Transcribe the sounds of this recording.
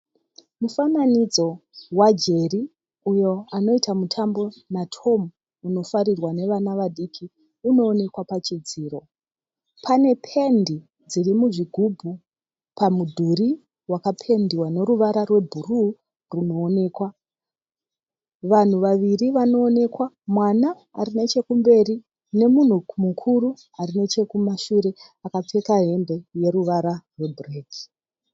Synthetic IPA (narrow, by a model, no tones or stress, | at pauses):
mufananid͡zo̞wad͡ʒe̞ri | ujo̞ano̞itamutʰambo̞natʰo̞m | uno̞faɾirwane̞ʋanaʋaɗikʰi | uno̞ːne̞kwapat͡ʃid͡ziːɾo̞ | pʰane̞pʰendi | d͡zirimuʐiɡʱubʱu | pamudʱuɾi | wakapʰe̞ndiwane̞ɾuʋaɾarwe̞bʱuru | runo̞ːne̞ːkwa | ʋan̤uʋaʋiriʋano̞ːne̞kwa | mwanaː | ɾine̞t͡ʃe̞kumbe̞ri | ne̞mun̤ukmukʰuɾu | arine̞t͡ʃe̞kumaʃuɾe̞ | akap͡fe̞kaɦe̞mbe̞je̞ɾuʋaɾarwe̞bʱreːki̥